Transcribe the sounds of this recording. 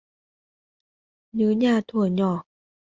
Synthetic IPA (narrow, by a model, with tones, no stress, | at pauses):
ɲɯː˨˦ɲaː˧˩t̪ʰu˧˩əɲɔː˧˩˦